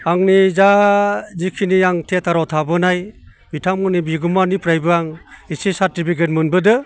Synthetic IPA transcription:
aŋnizazikʰinijaŋtʰetaɾawtʰabɯnaj | bitʰamɡɯnibiɡumanipʰɾajbɯaŋisisaɾtipʰik̬ʰetmɯnbɯdɯ

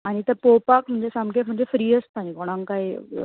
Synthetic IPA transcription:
aːñit̪ɐpoːpaːkm̤ʊ̃ɪɲd͡ʑesãmkemʊ̃ɦɲd͡ʑefɾiːəst̪ãnikoːɽ̃ãŋkaːi

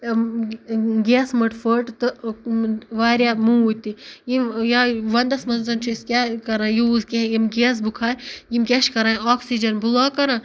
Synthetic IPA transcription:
ɡeːsmɐʈfoʈt̪ɨ | ʋaːɾʲjaːmũut̪ijimjaːʋɐnd̪ɐsmɐnzɐnt͡ʃʰiskʲaːkɐɾãːjiuzkeɦjimɡeːs̬bukʰaːɾjimkʲeʃkɐɾãːɔːksid͡ʒɐnbulaːkɐɾãː

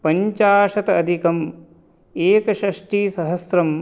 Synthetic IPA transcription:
pɐɲt͡ʃaːʃɐt̪ɐɐd̪ʱikɐm | eːkɐʃɾɐʂʈiːsɐɦɐsɾɐm

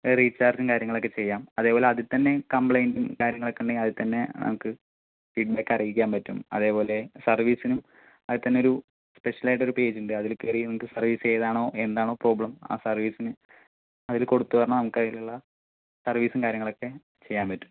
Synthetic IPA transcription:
riːt͡ɕːaːrd͡ʑumkaːɾjɐŋːɐɭo̞kːe̞t͡ɕe̞jːaːmɐðe̞ːpoːle̞ɐðɨt̪ɐnːe̞kɐmpɭɐjndumkaːɾjɐŋːɐɭokːeɳɖɐjmɐðɨt̪ɐnːe̞nɐ̰mukːɨ | fiːɖ̚beːkːɐrijikʲːaːmpɐtːumɐ̰ðe̞ːpo̞ːle̞sɐrʋiːsinum | ɐðɨt̪ɐnːeoɾu | spe̞ʂjɐlajʈeoɾupe̞ːd͡ʑuɳɖɨɐðilkerijnɐmukːɨsɐrʋiːst͡ɕe̞jɐðaːɳo̞ːʔe̞nd̪aːɳoːpro̞ːbɭɐma̰ːsɐrʋiːsinɨ | ɐðilko̞ɽut̪ːupɐrɐnɐnɐmukːɐiluɭːɐ | sɐrʋiːsumkaːɾjɐŋːɐɭo̞kːe̞ | t͡ɕe̞jːaːmpɐtːu̥m

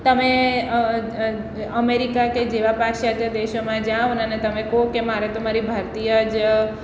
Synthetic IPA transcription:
t̪əme | əmeɾikaked͡ʒeʋapakʃat̪jəd̪eʃomãd͡ʒãʋnənet̪əmekokemaɾet̪omaɾibʱaɾt̪ijəd͡ʒ

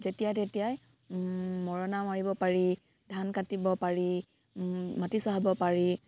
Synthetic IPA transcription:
zetijatetijaj | mɔɹɔnamaɹibɔpaɹi | dʱankatibɔpaɹi | matisɔɦabɔpaɹi

